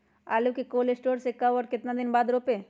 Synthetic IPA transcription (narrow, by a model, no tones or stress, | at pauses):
alukekoːlesʈoːɾsekaʋəɾkɪt̪nad̪ɪnbaːd̪ɾoːpe